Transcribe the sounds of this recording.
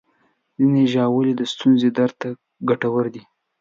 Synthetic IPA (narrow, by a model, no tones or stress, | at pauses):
zineʒɑwəled̪əst̪unzed̪aɾt̪a | ɡaʈawəɾd̪i